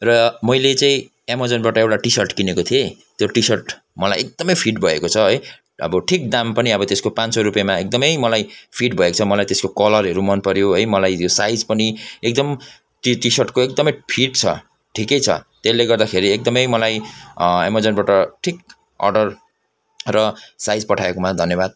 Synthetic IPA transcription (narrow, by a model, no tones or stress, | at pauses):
rʌmʌjlet͡saĩ | emʌd͡zʌnbaʈʌewʈaʈisʌrʈkinekot̪ʰiet̪joʈisʌrʈ | mʌlajek̚d̪ʌmʌjpʰiʈbʱʌekot͡sʰʌɦʌj | ʌ̰bʌʈʰik̚d̪ampʌniʌbʌt̪eskopãnt͡sʌɾupjemaek̚d̪ʌmʌjmʌlajpʰiʈbʱʌekot͡sʰʌmʌlajt̪eskokʌlʌrɦʌɾumʌnpʌɾjoɦʌjmʌlajt̪josajd͡zpʌniek̚d̪ʌm | ʈisʌrʈkoekd̪ʌmʌjpʰiʈt͡sʰʌ̰ | ʈʰikʌjt͡sʰʌ̰t̪elːeɡʌrd̪akʰeɾiek̚d̪ʌmʌjmʌlajḛmʌd͡zʌnbaʈʌʈʰik | ʌ̰rɖʌr | rʌsajd͡zpʌʈʰaekomad̪ʱʌnjebad̪̚